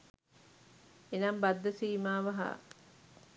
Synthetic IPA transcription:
enambad̪ːəsiːmaːʋɐɦa̰

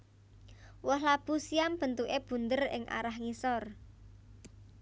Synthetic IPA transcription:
wɔɦlab̥usiamb̥ə̤nt̪uʔeb̥ṳnd̪ərɪ̰ŋʔa̰ɾahŋisɔr

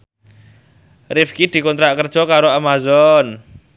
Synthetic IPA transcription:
rifkid̪̥i̤kɔnt̪ɾaʔkərd̥ʒ̥ɔ̤kaɾoamazɔn

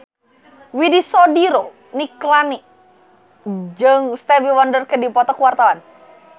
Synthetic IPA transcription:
widisɔdiɾo | niklani | d͡ʒəŋst̪ɛviwandərkədipɔt̪ɔkəwart̪awan

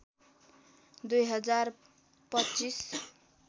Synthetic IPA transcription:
d̪ujɦʌd͡zar | pʌtːt͡sis

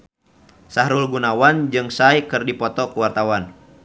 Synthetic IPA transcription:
saɦɾulɡunawand͡ʒɨŋsaikɨrdipɔt̪ɔkuwart̪awan

